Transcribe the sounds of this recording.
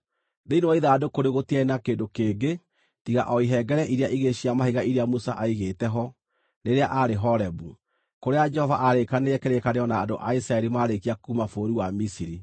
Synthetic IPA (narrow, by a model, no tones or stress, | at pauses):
ðeinoɔiðadokoɾeɣotiɛnakeːndokeːŋɡe | tiɣa̰ʔɔiɦɛɡɛɾɛʔiɾeaʔiɣeɕiamaɦiɣaiɾeamusaʔaiɣetɛɦɔ | neɾeaʔaɾeɦɔɾɛbu | koɾead͡ʒɛhɔvaʔaɾekaneɛkeɾekaneɔnaːdoʔaisɾaɛɾimaːɾekiakumafoːɾiwamisiɾi